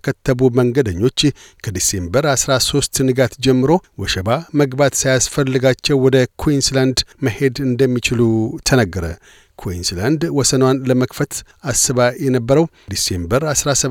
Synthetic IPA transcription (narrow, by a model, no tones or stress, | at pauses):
kʰət̪ʰːəbuməŋɡəd̪əɲːo̞t͡ʃː | kʰəd̪ise̞mbəɾasɾaso̞st̪nɨɡat̪d͡ʒɛmːɨɾo̞wɔʃəbaməɡbat̪sajasfəlːɨɡat͡ʃːɛwːɔd̪əkʰwinsland̪məhe̞d̪ɨnd̪əmːit͡ʃɪlut̪ʰənəɡːəɾə̰ | kʰwinsland̪wɔsənwanləməkfət̪ | asːɨβajɛnəbːəɾəw | d̪ise̞mbəɾasɾasə